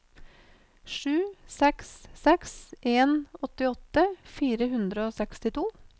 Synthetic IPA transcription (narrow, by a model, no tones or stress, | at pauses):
ʂʉːsɛkssɛksʔeːnɔt̪ɪɔt̪əfiːɾəhʉnd̪ɾəoːsɛkst̪ɪt̪ʰuː